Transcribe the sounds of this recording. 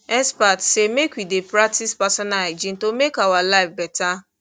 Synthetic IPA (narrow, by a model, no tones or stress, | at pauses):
ɛnspatsemekʷidepɾak̚tispasɔnaad͡ʒĩn̩tomekawalaɪfbɛta